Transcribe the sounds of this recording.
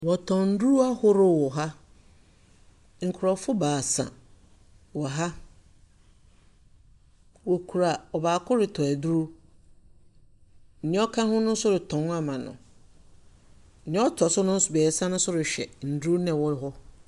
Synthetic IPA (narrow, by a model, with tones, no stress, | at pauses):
wɔ˨tʰɔ̃˨n̩˦du˦ɾu˦a˦hʊ˦ɾʊ˦wɔ˨ɦa˦ | ŋ̩˨kʰʊ˨ɾɔ˨fʊ˦baː˨sã̰˨ | wɔ˨ɦa˦ | wo˨kʰu˨ɾa˨ɔ˨baː˨kʰʊ˦ɾɪ˨tʰɔ˨æ˨du˦ɾu˦ | n̩˨ɲ̃˦ɔ˦kʰã˦hʊ̃˦nʊ̃˦n̩˦sʊ˦ɾʊ˨tʰɔ̃˨n˦a˦mã˨nʊ̰̃˨ | n̩˨ɲɛ̃˦ɔ˦tʰɔ˨sʊ˦nʊ̃˦n̩˦sʊ˨bɛː˨sã˦nʊ̃˦sʊ˦ɾʊ˨ɕᶣɛ̰˨n̩˨du˦u˦nɛ̃˨wɔ˦ɾɦɔ˦